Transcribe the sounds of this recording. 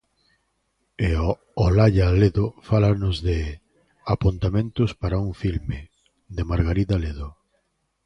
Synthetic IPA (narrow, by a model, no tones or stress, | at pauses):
e | olaʎaleðofalanʊzðɪ | apunt̪amẽnt̪ʊspaɾauŋfilme | d̪emaɾɣaɾiðaleðʊ